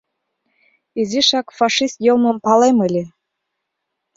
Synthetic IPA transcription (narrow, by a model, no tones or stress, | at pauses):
iziʃɑkfɑʃist̪joməmpɑleməlʲe